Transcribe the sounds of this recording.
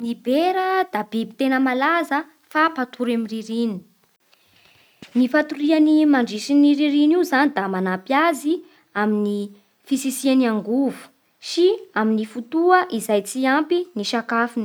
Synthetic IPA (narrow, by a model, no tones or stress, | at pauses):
nibeɾəd̪̥abibit̪enəmalazə | fapat̪ʰuɾamiriɾini̥ | nifat̪uɾianimaɳɖ͡ʐisiniɾiɾinizanid̪amanapjazi | amini | fisisianiaŋɡuvu̥ | ʃiaminifut̪uəʔizajt͡siampiniʃakafini̥